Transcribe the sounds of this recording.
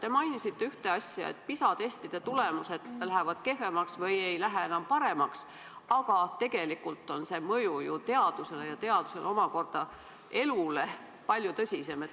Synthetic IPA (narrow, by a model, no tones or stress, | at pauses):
t̪e̞mɑjnisit̪ːe̞yht̪e̞ɑsʲjɑ̰ḛt̪̚pisɑt̪est̪id̪̥e̞t̪ule̞muse̞d̪̥læɦevɑd̪̥ke̞fe̞mɑksvɤje̞jlæɦeenɑmpɑɾe̞mɑks | ɑɡ̥ɑt̪e̞ɡ̥e̞likult̪ːˑo̞nse̞ːmɤjujut̪e̞ɑd̪̥use̞lejɑt̪e̞ɑd̪̥u̥se̞̰lo̞mɑko̞rd̪̥ɑ | e̞lule̞ | pɑlʲjut̪ɤsʲise̞met̪